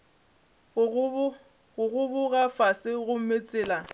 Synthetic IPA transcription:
ɣʊɣʊbʊɣafasɪɣʊm̩met͡sʼɪːla

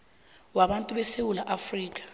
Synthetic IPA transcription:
waɓantʼuɓɛsewulaʔafriːk̬ʼḁ

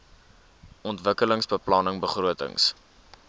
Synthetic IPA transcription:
ʔɔntvəkələŋsbəplɑnəŋbəχruətə̰ŋs

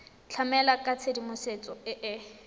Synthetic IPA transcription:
t͡ɬʰamɛlakʼat͡sʰedimʊset͡sʼɔɪʔɪ

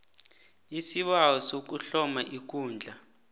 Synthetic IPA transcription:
isiɓawɔsok̬uɬɔmaʔik̬uːnd͡ɮʱa

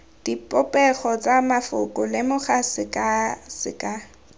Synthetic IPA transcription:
d̥ipʼɔpʼɛχɔt͡sʼamafʊkʼʊlɪmʊχasɪkʼasɪ̰kʼa

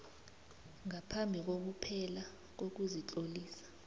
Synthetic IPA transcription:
ŋapʰambʱik̬ok̬upʰɛla | k̬ok̬uzit͡ɬʼoliːsḁ

